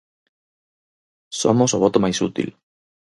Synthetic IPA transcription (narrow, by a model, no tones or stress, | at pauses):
so̰mosoβot̪omajsut̪ḭl